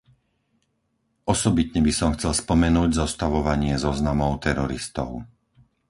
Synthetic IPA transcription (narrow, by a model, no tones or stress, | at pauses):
ʔɔsɔbit̪ɲɛbisɔmxt͡sɛlspɔmɛnuːɟzɔst̪aʋɔʋaɲɪɛzɔznamɔʊt̪ɛɾɔɾist̪ɔ̰ʊ